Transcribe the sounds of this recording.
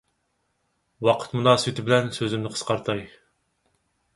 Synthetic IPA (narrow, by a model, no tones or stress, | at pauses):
wɑqʰə̥t̪munɑːswɪt̪ʰɪbɪlɛnsøzɪmnɪqʰə̥sqɑɾt̪ʰɑj